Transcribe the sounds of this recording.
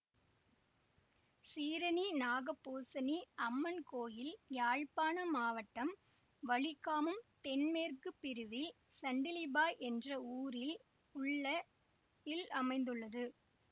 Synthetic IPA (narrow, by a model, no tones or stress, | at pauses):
siːɾɐninaːɣɐpːoːsɐniɐmːɐnkoːjɪljaːɻpaːnɐmaːʋɐʈːɐm | ʋɐɭɪkːaːmɯmt̪ɛnmeːrkɯpːɪɾɯʋɪl | sɐɳɖɪlɪbaːjʔɛndrɐuːɾɪl | ʊɭːɐ | ɪlɐmɐɪnd̪ɯɭːɐðɯ